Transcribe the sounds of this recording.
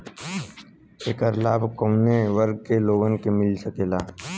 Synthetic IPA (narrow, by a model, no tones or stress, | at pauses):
eːkəɾlaːbʱkəʊneʋəɾɡ̚keloːɡənkemɪlsəkeːlaː